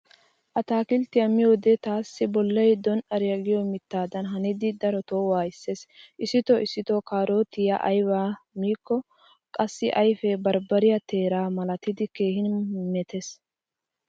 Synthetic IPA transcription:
ʔɐt̪aːkɪlt̪ːɪjɐmɪjoːd̪ɛt̪aːsːɪbɔlːɐjd̪ɔnɐɾɪjɐɡɪjɔmɪt̪ːaːd̪ɐnɦɐnɪd̪ɪd̪ɐɾɔt̪oːwaːɪsːesʔɪsɪt̪ɔɪsːɪt̪ɔkaːɾo̞ːt̪ɪjɐʔɐjwaːmiːkːɔ | kʼɐsːɪʔɐjfɛbɐɾbɐɾɪjɐt̪e̞ːɾaːmɐlɐt̪ɪd̪ɪke̞ːhɪnmɛt̪ɛs

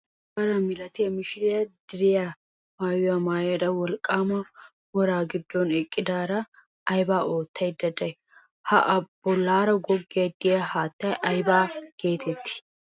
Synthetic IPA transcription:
bɐɾɐmɪlɐt̪ɪjɐmɪʃɪɾɪjɐd̪ɪɾɪja | maːjʊjamaːjjɐd̪ɐwɔlkʼːaːmɐ | wɔɾaːɡɪd̪ːɔnɪkʼːɪd̪aːɾɐ | ɐjbaːoːt̪ʰːɐjd̪ɐd̪ɐj | hɐʔɐb̥ɔlːaːɾɐɡɔɡːɪjɐd̪ɪjɐhaːt̪ːɐjʔɐjbaːɡe̞ːt̪ʰɛt̪ːɪ̥

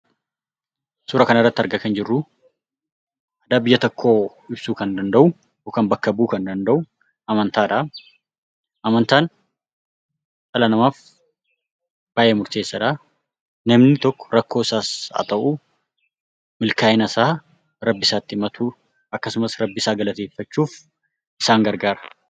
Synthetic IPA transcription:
suːɾɐkɐnɐrːɐt̪ːɪɐɾɡɐkɐnd͡ʒɪrːʊ | ʔɐd̪aːbɪjːɐt̪ɔkʰːo̞ː | ɪbsuːkɐnd̪ɐnd̪ɐʔʊ | okɐnbɐkːɐbuːkɐnd̪ɐnd̪ɐʔʊ | ɐmɐnt̪aːᶑɐ | ʔɐmɐnt̪aːn | ʔɐlɐnɐmaːf | b̥aːjɛmʊɾt̪eːsːɐᶑa | nɐmnɪt̪ɔkːɔ̥ɾɐkːoːɪsaːsɐ̰t̪ʼɐʔuː | mɪlkaːjɪnɐsaː | ɾɐbːɪsaːt̪ːɪmɐt̪ʰuː | ʔɐkːɐsʊmɐsɾɐbːɪsaːɡɐlɐt̪eːfːɐt͡ʃːuːf | ʔɪsaːŋɡɐɾɡaːɾɐ̥

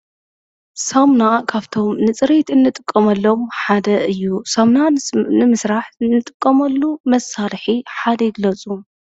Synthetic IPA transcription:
samnakʰaβt̪ʰo̞mnɨt͡sʼɨɾit̪ɨnːɨt̪ʼɨ̥kʼːɐmɐlːo̞mħad̪ɐʔɨjːusɐmnanɨmɨsɾaħɨnːɨt̪ʼɨkʼːɐmɐlːumɐsalħiħad̪ɐjɪɡlɐt͡sʼum

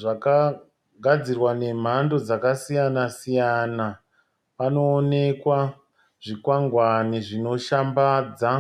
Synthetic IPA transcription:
ʐaka | ɡʱad͡zirwane̞m̤ando̞d͡zakasijanasijana | pano̞ːne̞kwa | ʐ̥ikwaŋɡwaniʐino̞ʃambaːd͡za

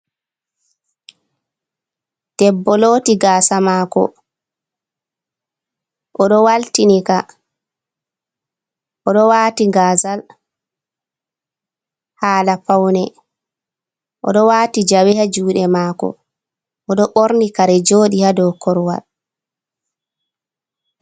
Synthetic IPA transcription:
d̥ɛbːɔlotiɡaːsamaːkɔ̰ | ʔɔɗɔwaltinika | ʔɔɗɔwaːtiŋɡaːzal | haːlafawnɛ | ʔɔ̰ɗɔwaːtid͡ʒawɛhad͡ʒuːɗɛmaːkɔ̰ | ʔɔɗɔɓoɾnikaɾɛd͡ʒoːɗihadɔkʰɔɾwa̰l

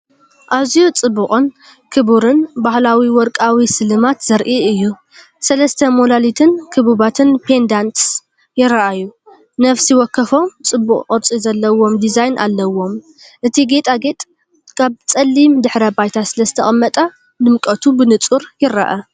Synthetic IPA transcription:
ʔaβzijut͡sʼɨbːuχʼɨn | kʰɨbuɾɨnbahlawiwɔɾkʼawisɨlɨmat̪z̥ɐɾʔiɨjːu | sɐlɐst̪ʰɐmolalit̪ʰɨnkʰɨβuβat̪ʰɨnpʰe̞nd̪ant̪s | jɪɾɐʔajːu | nɐfsiwɔkʰːɐfo̞mt͡sʼɨbːuχʼqʼɨɾt͡sʼizɐlːɐwo̞md̪izajnʔa̰lːɐwo̞m | ʔɨt̪ʰiɡe̞t̪ʼaɡe̞t̪ʼ | kʰaβt͡sʼɐlːimd̪ɨħɾɐbajt̪ʰasɨlɐzɨt̪ʰɐχʼɨmːɐt̪ʼɐ | dɨmkʼɐt̪ʰubɨnɨt͡sʼuɾjɪɾɐ̰ʔa

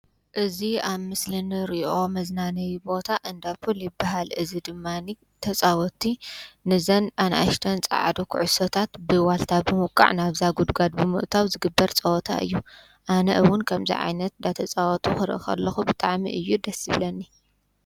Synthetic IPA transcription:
ʔɨziaβmɨslɨnɨɾiʔo̞mɐznanɐjibo̞t̪ʰaʔɨnd̪afuljɪbːaɦalɨzid̪ɨmːani | t̪ʰɐt͡sʼawɔt̪ʰinɨzɐnanʔa̰ʃt̪ʰɐnt͡sʼa̰ʕa̰d̪okʰṵʕʊsot̪ʰat̪bɨwalt̪ʰabɨmɔkʼːa̰ʕnaβzaɡud̪ɡad̪̚bɨmɨ̰ʔt̪ʰawzɨɡɨbːɐɾt͡sʼɐɔt̪ʰa̰ʔɨ̰jːu | ʔanɐ̰ʔɨwʊnkʰɐmzḭʕa̰jnɐt̪ɨnd̪at̪ʰɐt͡sʼawɔt̪ʰuxɨɾʔɨ̰xɐ̰lːɐxubɨt̪ʼaʕmḭʔɨjːud̪ɐsɨβlɐnːi

